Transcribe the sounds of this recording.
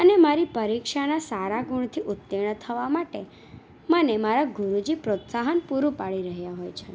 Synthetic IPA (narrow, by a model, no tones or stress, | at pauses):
ənemaɾipəɾikʃanasaɾaɡuɽ̃t̪ʰiʔut̪ːiɳ̃ət̪ʰəʋamaʈe | mənemaɾaɡʱuɾud͡ʒipɾot̪saɦənpuɾupaɭiɾəɦjaɦojt͡ʃʰe